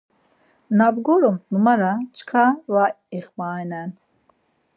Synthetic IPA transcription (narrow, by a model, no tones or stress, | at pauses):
nabɡɔɾɔmnumaɾat͡ʃkʰava | iχmajnɛn